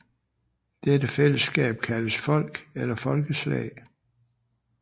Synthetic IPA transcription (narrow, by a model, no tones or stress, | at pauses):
d̥ed̥əfel̰əsɡ̥ɛ̰ːb̥̚kʰæləsfɒ̽l̰ɡ̥elɐfɒ̽lɡ̥əslɛ̰ɪ